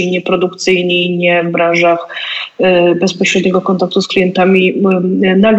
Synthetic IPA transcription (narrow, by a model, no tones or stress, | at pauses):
iɲɛpɾɔd̪ukt̪sɘjɲiɲɛvbɾanʐax | bɛspɔɕɾɛd̪ɲɛɡɔkɔnt̪ak̚t̪usklʲijɛnt̪amʲi | naɡ